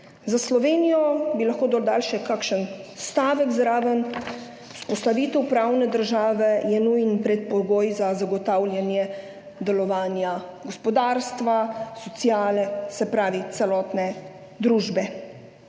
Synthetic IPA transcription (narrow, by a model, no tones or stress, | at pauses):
zaslɔʋeːnijɔbilaxkoːd̪ɔld̪alʃɛkakʃənst̪aːʋəɡzɾaːʋən | u̥spɔst̪aʋiːt̪ɛwpɾaːwnɛd̪əɾʒaːʋɛjɛnujnpɾɛt̪̚pɔɡoːjzazaɡɔt̪aːwljanjɛ | d̪ɛlɔʋaːnjaɡɔspɔd̪aːɾst̪ʋasɔt̪sijaːlɛsɛpɾaːʋit̪sɛlɔːt̪nɛ | d̪ɾuːʒbɛ